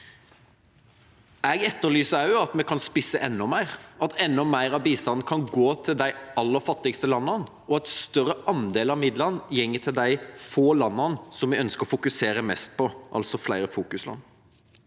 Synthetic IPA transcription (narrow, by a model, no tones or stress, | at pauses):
æːɡɛt̪ːəɾlyːsəɑʉɑt̪mɛkʰɑnspɪsːəʔɛnːɔmæɪʁɑt̪ʰɛnːɔmæɪɾɑʋbiːst̪ɑnn̩kʰɑnɡoːt̪ʰɪld̪æɪɑlːəɾfɑt̪ːɪɡst̪əlɑnːɑn | ɔɛt̪st̪œɾəʔɑnd̪eːlɑʋmɪd̪lɑnjɛŋːət̪ʰɪld̪æɪfoːlɑnːɑnsɔmʋɪœnskəɔfʊkʉseːɾəmɛst̪̚pʰɔʔɑ̰lsɔflæɪɾəfuːkʉslɑ̰nː